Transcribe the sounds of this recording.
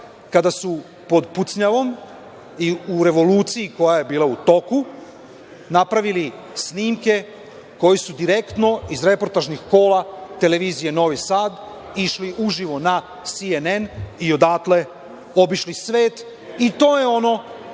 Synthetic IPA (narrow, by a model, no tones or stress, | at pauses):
kad̪asu | po̞d̪put̪sɲaʋo̞m | iuɾe̞ʋo̞luːt̪sijiko̞jaje̞biːlaut̪o̞ku | napɾaʋili | sniːmke̞ | ko̞jisud̪iɾe̞kt̪no̞izɾe̞po̞ɾt̪aʒnixko̞ːlˠat̪e̞le̞ʋiːzijeno̞ʋisaːd̪ | iʃliʔuʒiʋo̞na | sienenio̞d̪aːkle̞ | o̞biʃlisʋe̞ːt̪ | it̪o̞ːje̞o̞no̞